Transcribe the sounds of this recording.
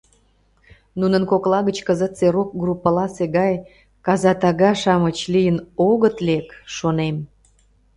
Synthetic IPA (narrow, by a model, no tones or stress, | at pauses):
nunənkoklɑɣət͡ɕkəzət̪t͡seɾok̚ɡrupːəlɑseɣɑj | kɑzɑt̪ɑɣɑʃɑmət͡ɕlijənoɣət̪lekʃonem